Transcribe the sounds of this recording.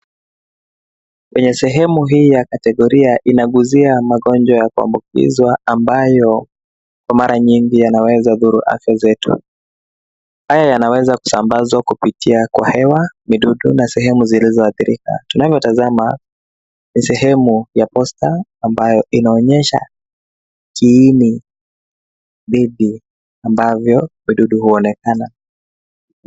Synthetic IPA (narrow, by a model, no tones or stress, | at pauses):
kwɛɲɛsɛɦɛmuɦiːjakatɛɠɔɾiaʔinaɠuziamaɠɔnd͡ʒɔjakua̰mbuk̚ḭzwaambajɔ | kwamaɾʔaɲiŋɡijanawɛzaðuɾuʔa̰fjazɛtṵ | hajajanawɛzaku̥sambazwakupitʰiakwa̰hɛwamiɗuɗunasɛɦɛmuzilizɔaθiɾika̰tunavjɔtazama | nisɛɦɛmujapɔstaːmbajɔʔinaɔɲɛʃa̰ | kiːni | ɗiɗi | ambavjɔmiɗuɗuhuɔnɛkana